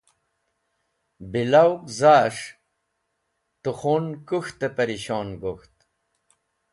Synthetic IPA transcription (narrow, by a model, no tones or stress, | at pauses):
bilawkzaːʂ | t̪uxonkuxt̪epɐɾiɕɑːnɡoxt̪